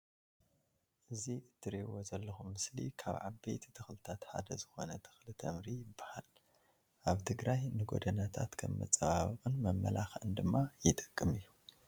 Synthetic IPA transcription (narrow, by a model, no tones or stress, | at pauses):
ʔɨziʔɨt̪ʰːɨɾewozɐlːɐxumːɨslḭkʰa̰βʕabejt̪it̪ʰɨxlɨt̪ʰat̪ħa̰d̪ɐzɨxo̞̰nɐt̪ʰɨ̥xlɨt̪ʰɐmɾijɪbːahal | ʔaβt̪ʰɨɡɾajnɨɡo̞̰d̪ɐnat̪ʰat̪kʰɐ̰mːɐ̰t͡sʼːɐβaβɨkʼɨnmɐmːɐ̰laxɨnd̪ɨmːajɪt̪ʼɨkʼːɨmɨjːu